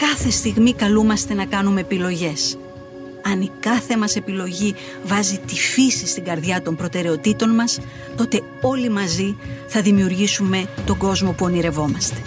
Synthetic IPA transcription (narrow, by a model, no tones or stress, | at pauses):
kɐθe̞st̪iɣmikɐlumɐst̪e̞nɐkɐnume̞ːpilo̞ʝe̞s | ɐnikɐθe̞mɐse̞pilo̞ʝi | vɐzit̪ifisist̪iŋɡɐɾðʝɐt̪o̞mpɾo̞t̪e̞ɾe̞o̞t̪it̪o̞nmɐs | t̪o̞t̪e̞ | o̞limɐziθɐðimiuɾʝisume̞t̪o̞ɡo̞zmo̞puoniɾe̞vo̞mɐst̪e̞̥